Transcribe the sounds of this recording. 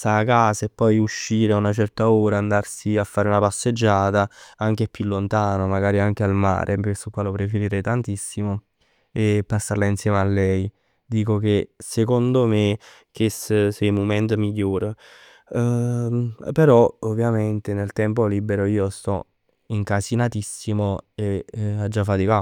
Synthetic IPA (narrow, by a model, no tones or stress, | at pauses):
st̪aːkːaːsaepːɔjuʃːiːɾaunat͡ʃɛrt̪aoːɾaːnd̪arsiafːaːɾeunapasːed͡ʒːaːt̪aaŋk̟epːjulːont̪aːnomaɡaːɾiaŋk̟ealma̰ːɾʔepekesːukːwalopɾefeɾiɾɛjt̪ant̪isːimo | epːasːarlainsjɛːmealːɛj | d̪iːkok̟esekond̪ome | k̟essɛmomɛnt̪omiʎːoːɾ | peɾɔovːjament̪enelt̪ɛmpoliːbeɾoiːost̪ɔ̰ | iŋkasinat̪isːimoead͡ʒːafːat̪ika